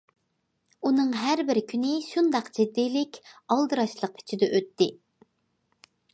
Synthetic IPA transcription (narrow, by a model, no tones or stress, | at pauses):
unɨŋɦæɾbɪɾkʲʰynɪʃund̪ɑqd͡ʒɪd̪ːijlɪkʲɑlˠd̪ɨɾɑʃlˠəq̚pʰɪ̥t͡ʃʰid̪ɛʔøt̪ʰːɪ